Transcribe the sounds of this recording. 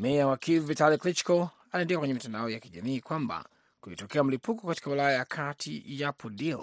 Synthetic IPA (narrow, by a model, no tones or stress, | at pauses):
mɛawakivvitaliklit͡ʃkɔ | aliɛndɛakwɛɲɛmitandaɔjakiʄa̰miːkwamba̰ | kuitɔkɛam̩lipukɔkati̥kawilajajakʰatʰḭjapʰɔdil